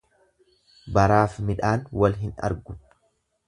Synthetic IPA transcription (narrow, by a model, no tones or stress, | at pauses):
bɐɾaːfmɪᶑaːnwɐlɦɪnɐ̰ɾɡʊ̥